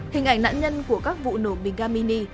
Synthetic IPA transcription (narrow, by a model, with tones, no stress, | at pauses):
hï˨˩ŋ̟ʔa˨˧˩jŋ̟na̰ː˧˥nɲə˧nku˧˩əkaː˦˥k̚vṵ˧˨no˧˩ɓi˨˩ŋ̟zaː˧mi˧ni˧